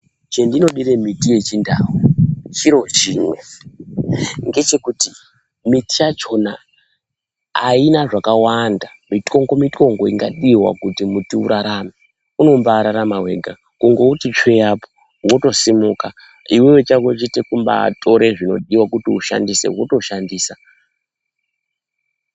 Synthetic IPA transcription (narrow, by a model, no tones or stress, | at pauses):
t͡ʃendino̞ɗiɾemitije̞t͡ʃindawut͡ʃiɾo̞t͡ʃiːmwe | ŋɡe̞t͡ʃe̞kuti | mitijat͡ʃo̞na̰ | ainaʐakawanda | mito̞ŋɡo̞mito̞ŋɡo̞iŋɡaɗiwa̰kutimutiṵɾaɾame | uno̞mbaːɾaɾamawe̞ɡʱa̰ | kuŋɡo̞utit͡ʃwejapo | wo̞to̞simuka | iwewet͡ʃakot͡ʃitekumba̰tʰo̞ɾeʐino̞̰ɗiwakutiuʃa̰ndise̞̰woto̞ʃandiːsa